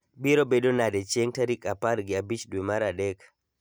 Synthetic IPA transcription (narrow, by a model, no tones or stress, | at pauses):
biɾobedonadɛt͡ʃeŋtaɾikapaɾɡɪabit͡ʃdwemaɾadɛk